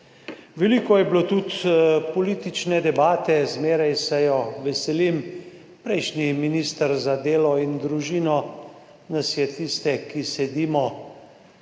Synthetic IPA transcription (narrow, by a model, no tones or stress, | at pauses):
ʋɛliːkɔjɛblot̪ut̪pɔliːt̪it͡ʃnɛd̪ɛbaːt̪ɛzmeːɾajsɛjɔʋɛsɛlim | pɾɛjʃniminiːst̪əɾzad̪eːlɔind̪ɾuʒiːnɔ | nasjɛt̪ist̪ɛkisɛd̪iːmɔ